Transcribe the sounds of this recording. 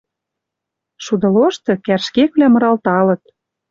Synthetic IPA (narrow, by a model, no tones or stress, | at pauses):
ʃud̪ɤ̆loʃt̪ɤ̆kærʃkekβlæmɤ̆ɾɑlt̪ɑlɤ̆t̪̚